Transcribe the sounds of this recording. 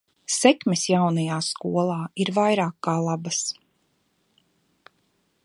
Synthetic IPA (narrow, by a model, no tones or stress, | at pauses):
sɛkmesjawnɐjaːskuɔlˠɑːiɾvajɾaːkːaːlˠabas